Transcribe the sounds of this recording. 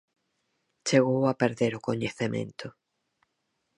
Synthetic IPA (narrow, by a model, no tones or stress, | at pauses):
t͡ʃeɣowapeɾðeɾʊkoɲeθemḛ̃nt̪ʰʊ